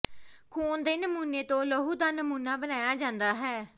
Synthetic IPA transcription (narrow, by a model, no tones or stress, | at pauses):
kʰuːnd̪eːnəmuːnːeːt̪õːləɦuːd̪aːnəmuːnːaːbənaːjaːd͡ʒãːnd̪aːɦɛː